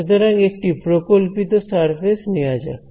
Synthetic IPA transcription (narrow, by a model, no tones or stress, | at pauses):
d̪əɾãŋɡek̚ʈipɾokolpit̪osaɾfesniad͡ʒa̰